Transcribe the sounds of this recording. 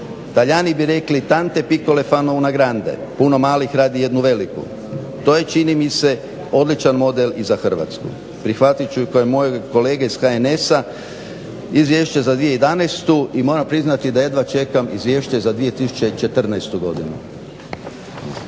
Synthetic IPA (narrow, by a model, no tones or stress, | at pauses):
t̪aʎaːnibiɾe̞klit̪ant̪e̞piko̞lefanounaɡɾand̪e̞̰puno̞maːlixɾaːd̪ije̞d̪nuʋe̞likṵ | t̪o̞ːje̞t͡ʃinimise̞ | o̞d̪lit͡ʃanmo̞d̪elizaxr̩ʋa̰t̪skṵ | pɾixʋat̪it͡ɕukojemo̞jeko̞le̞ːɡeisxaene̞sa | izʋjeːʃt͡ɕezad̪ʋije̞jed̪anest̪uimo̞ːɾampɾiznat̪id̪aje̞d̪ʋat͡ʃe̞kamizʋjeʃt͡ɕe̞zad̪ʋie̞t̪isu̥t͡ʃe̞t͡ʃe̞t̪r̩nɛjst̪uɡo̞d̪inṵ